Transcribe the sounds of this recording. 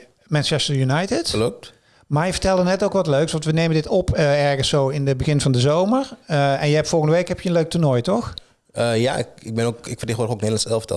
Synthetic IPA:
mɛnt͡ʃɛstəɹjunajtɪtəlop̚t | maːjəvəɹtɛlˠdənɛtowkʋɑtløɥksʋɑntʋənejmədɪtɔpəɛɹɣənsowɪnəbəɣɪnvɑndəzowmərɛnjəɛptfɔlˠɣəndəʋejkɦɛpjəənløɥk̚tʊɹnɔjtɔx | əja̰ɪkɪɡ̚bɪnokɪkfərtexoːɾokneːdlɑnsɛlˠfətɛ̰

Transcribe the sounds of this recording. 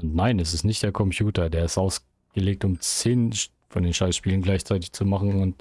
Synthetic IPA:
ʊntnaɪnɛs̬ɪstnɪçt̚d̥eːɐkʰɔmpʰjuːtɐdeːɐɪstʔaʊs | ɡ̥əleːk̚tʊmt͡seːn | fɔndeːnʃaɪsʃpiːlənɡlaɪçt͡saɪtɪçt͡sumaχn̩ʊnt

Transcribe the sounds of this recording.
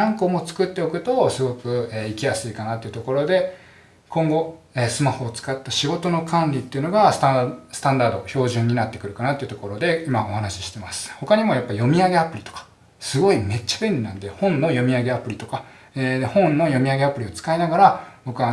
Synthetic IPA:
ãŋkomo̞t͡sɨ̥kɯ̟t̪ːe̞okɯ̟t̪o̞sɨɡo̞kɯ̟eikʲijasɨikanat̪ːe̞iɯ̟t̪o̞ko̞ɾo̞d̪e̞ | kõ̞ŋɡo̞ | eːsɨmahoːt͡sɨ̥kat̪ːaɕiɡo̞t̪o̞no̞kʰãnɾʲit̪ːe̞iɯ̟no̞ɡassɨ̥t̪ãnd̪aːd̪o̞ço̞ːʑɨ̃ɲ̟ːinat̪ːe̞kɯ̟ɾɯ̟kanat̪eɯ̟t̪oko̞ɾo̞d̪e̞imao̞hanaɕi̥ɕi̥t̪e̞masɨ̥ho̞kaɲ̟imo̞japːaijo̞mʲiaɡe̞apɯ̟ɾʲit̪okḁ | sɨɡo̞ime̞t͡ɕːabẽ̞nʲɾʲinã̰nd̪e̞hõ̞nːo̞jo̞mʲiaɡe̞apɯ̟ɾʲit̪o̞ka | ed̪ehõ̞nnːo̞jo̞mʲiaɡe̞apɯ̟ɾʲio̞t͡sɨ̥kainaɡaɾab̥o̞kɯ̟βa

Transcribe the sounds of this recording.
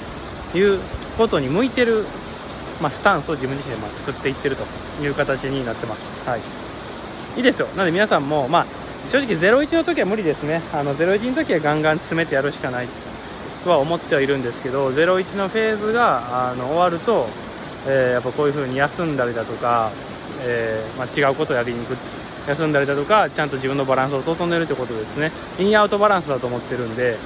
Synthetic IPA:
jɯː | ko̞t̪o̞ɲ̟imɯ̟it̪e̞ɾɯ̟ | masɨ̥t̪ãɰ̃sɨo̞d͡ʑibɯ̃ɲ̟d͡ʑiɕĩnd̪mat͡sɨ̥kɯ̟t̪ːe̞it̪ːe̞ɾɯ̟t̪o̞ | jɯ̟ːkat̪at͡ɕiɲ̟inat̪ːe̞masɨ̥hai | iːd̪e̞sɨjo̞nand̪eminasãmːo̞maː | ɕo̞ːʑikʲize̞ɾo̞it͡ɕino̞t̪o̞kʲiβamɯ̟ɾʲid̪e̞sɨne̞ano̞ze̞ɾo̞it͡ɕinot̪o̞kʲiβaɡãŋɡãnt͡sɨ̥sɨme̞t̪e̞jaɾɯ̟ɕi̥kanait̪ | t̪o̞βaomo̞t̪ːe̞βaiɾɯ̟̃nd̪e̞sɨ̥ke̞d̪o̞ze̞ɾo̞it͡ɕino̞ɸe̞ːzɨɡaːno̞ːβaɾɯ̟t̪o̞ | eːjapːako̞ːjɯ̟ɸɯ̟ːɲ̟ijasɨ̃nd̪aɾed̪at̪o̞ka | eːmat͡ɕiɡaɯ̟ko̞t̪oːjaɡiɲ̟ikɯ̟ | jasɨ̃nd̪aɾʲed̪at̪o̞kat͡ɕãnt̪o̞ʑibɯ̟̃nːobaɾãɰ̃s̬ɨosoːzond̪eɾɯt̪ːiɯ̟kot̪o̞d̪e̞sɨne̞ | iɲiaɯ̟t̪o̞baɾãɰ̃sɨd̪at̪o̞ːmo̞t̪ːe̞ɾɯ̟̃nd̪e̞

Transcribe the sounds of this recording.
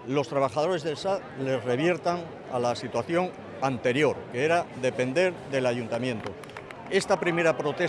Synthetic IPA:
lo̞st̪ɾaβaxað̞o̞ɾe̞zðe̞lsa | le̞zre̞β̞je̞ɾt̪aŋ | a̰lasit̪waθjo̞ŋ | ant̪e̞ɾjo̞ɾkeeɾaðe̞pe̞nd̪e̞ɾðe̞laʝunt̪amjẽ̞nt̪o | e̞st̪apɾime̞ɾapɾo̞t̪e̞

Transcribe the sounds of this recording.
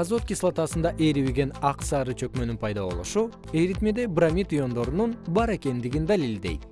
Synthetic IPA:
azot̪̚kʲislˠat̪ɑsɯnd̪ɑʔeɾiβiɡʲe̞nɑqsɑɾɯt͡ʃʰø̞kmønynpʰɑjd̪ɑβo̞̰lˠṵʃu | e̞ɾit̪med̪e̞bramʲit̪ujo̞nd̪o̞ɾununbɑɾe̞ke̞nd̪iɡind̪alild̪e̞̰jt̪

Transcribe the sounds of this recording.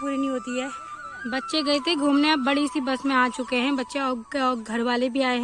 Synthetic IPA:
puːɾinɐɦĩɦoːt̪iɦɛː | bɐtːʃeɡɐet̪eɡʱuːmnebɐɽisibɐsmẽaːt͡ʃʊkeɦɛ̃ːbɐtːʃeɔːɾɔːɾɡʱɐɾʋaːlebʱiaːeɦɛ̃

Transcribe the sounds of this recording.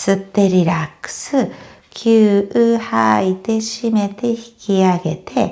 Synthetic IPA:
sɨt̪ːe̞ɾʲiɾakːɯ̥sɨ | kʲʰɨːɯhait̪e̞ɕime̞t̪e̞çi̥kʲiaɡe̞t̪ʰe̞

